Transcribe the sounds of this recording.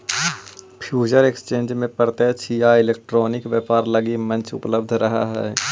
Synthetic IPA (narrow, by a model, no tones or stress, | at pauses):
pʰjuːd͡ʒəɾekst͡ʃẽːnd͡ʒmẽpəɾt̪et͡ʃʰijaɪleːk̚ʈɾɔːnɪkʋeːpaːɾlɐɡimɐ̃nt͡ʃʰʊ̰pləbd̪ʱɾɐɦa̰ɦɛ̰ː